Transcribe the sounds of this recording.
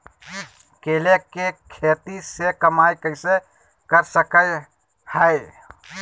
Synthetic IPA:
kelekekʰet̪isekəmajkəɪse | kəɾsəkəj | həɪ

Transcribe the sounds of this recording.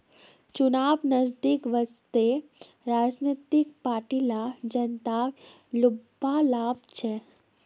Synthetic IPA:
t͡ʃʊnaːbnəzd̪ikʋəst̪e | ɾaːd͡ʒnet̪ɪk̚paːʈilad͡ʒɐnt̪aːk | lʊbalaːbt͡ʃʰɛ

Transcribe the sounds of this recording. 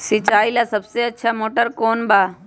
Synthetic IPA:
sɪt͡ʃaːilasəbseɐtːʃʰamoːʈəɾkoːnbaː

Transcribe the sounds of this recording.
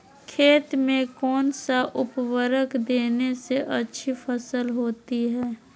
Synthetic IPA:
kʰeːt̪mẽkɔːnsaʔʊpwəɾəkd̪eːneseʔɐtːʃʰifəsəlɦoːt̪iɦɛː

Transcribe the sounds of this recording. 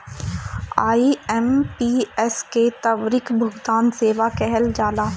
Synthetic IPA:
aːiɛmpiɛsket̪ɐʋɾɪkbʱʊɡt̪aːnseːʋakɛɦɛld͡ʒaːlaː

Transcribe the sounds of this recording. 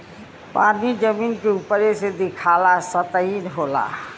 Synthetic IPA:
paːnid͡ʒəmiːnkeupəɾesed̪ɪkʰaːlasət̪əiːnɦoːla̰ː

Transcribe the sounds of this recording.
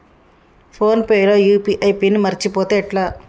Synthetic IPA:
pʰoːnpeːjloːjuːpiʔɐjpiːnimɐɾt͡ʃipoːt̪eːʈlaː

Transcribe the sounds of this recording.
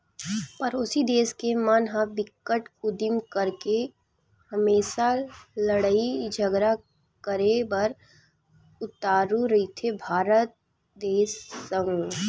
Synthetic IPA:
pɐɾʊsid̪eːskemanɦãbɪkːəʈʊd̪ɪmkəɾke | hɐmeːsaləɽaid͡ʒʱəɡɾa | kəɾebɐɾ | ʊt̪aːɾũɾɐit̪ʰebʱaːɾət̪̚ | d̪eːsːəũ

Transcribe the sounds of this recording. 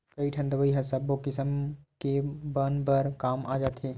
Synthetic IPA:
kəiʈʰɐ̃nd̪əʋəiɦɐsəbːokɪsəmkebənpəɾkaːmʔaːd͡ʒaːt̪ɦeː

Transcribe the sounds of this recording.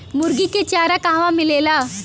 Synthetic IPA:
muɾɡiket͡ɕjaɾakãɦʋãmilela

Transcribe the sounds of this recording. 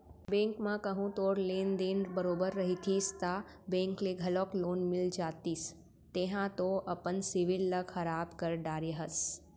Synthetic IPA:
bẽŋkmãkəɦũt̪oɾlend̪enbəɾobəɾːəɦit̪ʰist̪a | bẽŋkleɡʱəloklonmɪld͡ʒat̪is | t̪eɦãt̪oʔəpənsiʋilːəkʰəɾabkəɾɖaɾeɦəs

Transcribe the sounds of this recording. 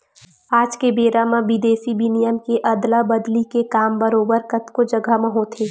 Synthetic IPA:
aːd͡ʒkebeːɾamãʋɪd̪eːsibinɪjəmkeʔɐd̪labəd̪likekaːmbəɾoːbəɾkɐt̪kod͡ʒɐɡʱamɐɦõt̪ʰeː

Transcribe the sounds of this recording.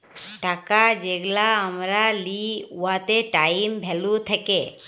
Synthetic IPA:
ʈakad͡ʒeɡlaəmɾaliuat̪eʈajimbʱɛlut̪ʰeke

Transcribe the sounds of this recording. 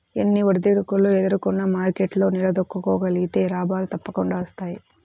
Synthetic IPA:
enːiʋɐɾd̪iɽukulued̪ɐɾukunːɐmaːɾkeʈlo̞ːnilɐd̪okːukɔːɡɐliɡit̪e̞ːɾaːbaːlut̪ɐpːɐkuɳɖaːɐst̪aːji

